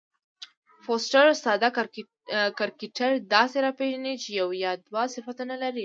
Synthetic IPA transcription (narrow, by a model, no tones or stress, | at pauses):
fosʈaɾʊst̪ɑd̪a | kaɾkiʈaɾd̪ɑseɾɑpeʒanit͡ʃejawjɑd̪wasɪfat̪analaɾi